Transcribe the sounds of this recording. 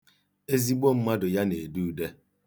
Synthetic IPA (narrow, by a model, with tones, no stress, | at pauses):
e˦zi˦ɡ͡bo˦m̩˦ma˦dʊ˨ja˦ne˨du˦de˦